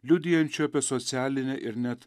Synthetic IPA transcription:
lʲʊd̪ʲɪːjɛnʲt͡ʃʲʊɐːpʲiɛsɔt̪sʲæːlʲɪnʲɛʔɪɾnʲɛt̪

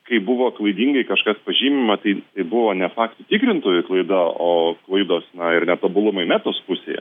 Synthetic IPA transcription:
kɐɪbʊʋoːklˠɐɪd̪ʲiːŋɡɐɪkɐʃkɐspɐʒʲiːmʲɪmɐt̪ɐɪt̪ɐɪbʊʋoːnʲɛfɑːkt̪ʊt̪ʲɪkɾʲɪnt̪oːjʊklˠɐɪd̪ɐoːklˠɐɪd̪oːsnɐɪɾnʲɛt̪oːbʊlˠʊmɐɪmʲæːt̪oːspʊsʲḛːjɛ̰

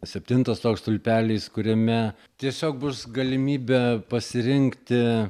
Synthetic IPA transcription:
sʲɛpʲt̪ʲɪnt̪ɐst̪oːkst̪ʊlʲpʲæːlʲiːskʊɾʲɛmʲɛ | t̪ʲiɛsʲoːk̚bʊsɡɐlʲɪmʲiːbʲɛpɐsʲɪɾʲɪŋkt̪ʲɪ

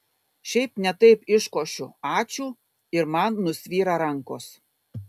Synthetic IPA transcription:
ʃʲɛɪpnʲɛt̪ɐɪpɪʃkoːʃʲʊɑːt͡ʃʲuː | ɪɾmɑnːʊsʲʋʲiːɾɑɾɐŋkoːs

